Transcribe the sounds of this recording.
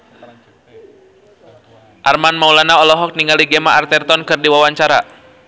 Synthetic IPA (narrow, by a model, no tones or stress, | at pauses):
ʔarmanmaulanaɔlɔɦɔk̚niŋɡaliɡemaart̪ɛrt̪ɔnkɨrdiwawaɲt͡ʃaɾa